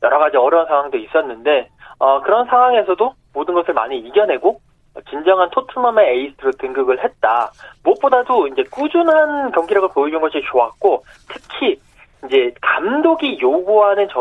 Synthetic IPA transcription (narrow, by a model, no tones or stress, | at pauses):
jʌɾʌɡad͡ʑiʌɾjʌansʰaŋwaŋdois͈ʌnːɯnde̞ʌkɯɾʌnsʰaŋwaŋe̞sʰʌdo | modɯnɡʌsʰɯɭma̰ɲiiɡjʌnɦe̞ɡo | t͡ɕind͡ʑʌŋɦantʰotʰɯmʌmeeis͈ʰɯɾotɯŋɡɯɡɯɭhe̞t̚t͈a̰muʌt̚p͈odadoind͡ʑe̞k͈ud͡ʑunɦankjʌŋɡiɾaɡopoid͡ʑunɡʌɕʰit͡ɕoak̚k͈o | tʰɯ̥kʰi | ind͡ʑe̞kamdoɡijoɡuɦanɯnt͡ɕʌ